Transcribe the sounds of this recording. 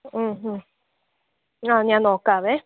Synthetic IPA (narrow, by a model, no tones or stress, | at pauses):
ɦ̩ | anjãnõkaβe